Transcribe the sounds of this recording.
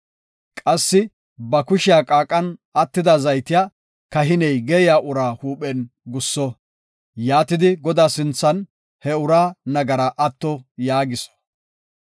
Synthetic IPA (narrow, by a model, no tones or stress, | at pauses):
kʼɐsːɪ | bɐkʊʃɪjaːkʼaːkʼːɐnɐt̪ːɪd̪ɐzɐjt̪ɪja | kɐɦɪnɛjɡɛjaːʔʊɾaːhuːpʼɛnɡʊsːɔ | jaːt̪ɪd̪ɪɡɔd̪aːsɪnt͡sːɐn | hɛʊɾaːnɐɡɐɾɐʔɐt̪ːɔjaːɡɪsɔ̥